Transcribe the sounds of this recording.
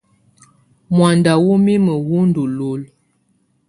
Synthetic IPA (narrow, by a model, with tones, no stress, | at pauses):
mwa˨nda˨wo˦mi˦mə˨wu˦n̩˦du˨lo˨l